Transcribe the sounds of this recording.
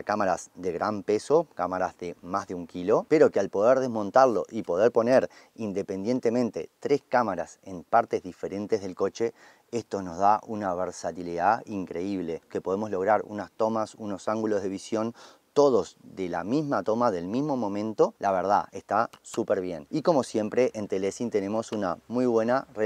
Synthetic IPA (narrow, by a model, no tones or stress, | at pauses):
kamaɾasðe̞ɣɾampe̞so̞kamaɾazðe̞mazðeuŋkilo̞peɾo̞kealpo̞ð̞eɾðe̞zmo̞nt̪aɾlo̞ʔipo̞ð̞eɾpo̞neɾ | ind̪e̞pe̞nd̪je̞nt̪e̞mẽnt̪e̞t̪ɾe̞skamaɾase̞npaɾt̪ezðife̞ɾe̞nt̪e̞zð̞elko̞t͡ʃe̞ | est̪o̞no̞zðaʔunaβ̞eɾsat̪iliðaiŋkɾe̞iβ̞le̞ke̞po̞ð̞e̞mo̞zlo̞ɣɾaɾṵnast̪o̞masuno̞saŋɡulo̞zð̞e̞βisjo̞n | t̪o̞ð̞o̞zðela̰mizmat̪o̞maðe̞lmizmo̞mõ̞mẽ̞nt̪o̞laβ̞eɾð̞a̰e̞st̪asupeɾβ̞je̞̰niko̞mo̞sje̞mpɾe̞ʔent̪elesint̪e̞ne̞mo̞suna̰mujβwe̞nare